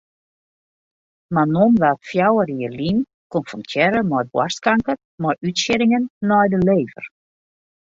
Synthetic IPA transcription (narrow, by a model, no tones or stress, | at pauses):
manonʋɛltfjawəriərlin | konfɔncʰɛɾəmɔjbwarskaŋkər | mɔjʔytʃɪɾɪŋənːɔjdəleːvə̰r